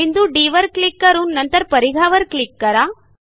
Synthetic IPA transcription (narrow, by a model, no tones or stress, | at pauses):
ind̪uɖiːʋɐɾkɭikːɐɾunnɐnt̪ɐɾpɐɾiɡʱaːʋɐɾkɭikːɐɾaː